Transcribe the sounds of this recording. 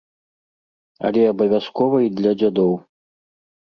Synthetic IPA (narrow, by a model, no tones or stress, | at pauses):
ɐ̰lʲɛɐbɐvʲaskɔvɐid̪lʲɐd͡zʲad̪ɔw